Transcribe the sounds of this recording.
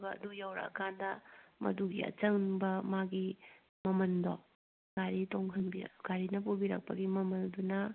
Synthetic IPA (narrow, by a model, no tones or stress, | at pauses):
ɡɐɐ̰dujawɾa̰kʰandɐmɐ̰duɡiɐ̰t͡ʃɐŋnbɐmaɡi | mɐmɐndo̰ | ɡaɾitoŋhʰɐnbiɾ̰ɡ̥aɾinɐpubiɾɐ̰k̚pɐɡimɐmɐldunɐ